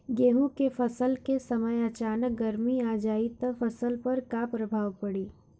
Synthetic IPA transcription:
ɡeːɦũkefɐsəlkesɐməjɐt͡ʃaːnək̚ɡɐɾmiaːd͡ʒaːit̪əfɐsəlpɐɾkapɾɐbʱaːʋpɐɽiː

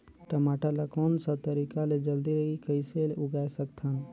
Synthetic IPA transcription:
ʈəmaːʈalakɔːnsə̃t̪əɾikaled͡ʒəld̪iɾəikəɪseleʊɡaːesəkt̪ʰan

